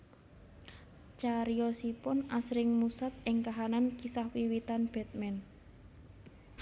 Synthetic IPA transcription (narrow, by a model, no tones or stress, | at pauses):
t͡ʃaɾiɔsipʊnasɾɪŋmusat̪̚ɪŋkaɦanankisahwiwit̪anb̥ɛ̤t̪̚mɛn